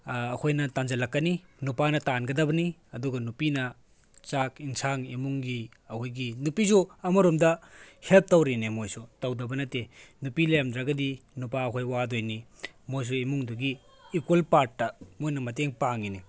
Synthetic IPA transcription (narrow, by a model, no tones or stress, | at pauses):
kʰojnɐtanzɐlɐkːɐninupanɐtanɡɐdɐbɐniɐduɡɐnupinɐ | t͡ʃakiŋsaŋemuŋɡi | ɐkʰojɡinupizuɐmɐɾomdɐhelp̚tɐwɾinemojsutɐwdɐbɐnɐtenupilɐjamdɾɐɡɐdinupaɐkʰojwadojnimojs̬uemuŋduɡiː | kwelpaɾtːɐmojnɐmɐt̬eŋpaŋini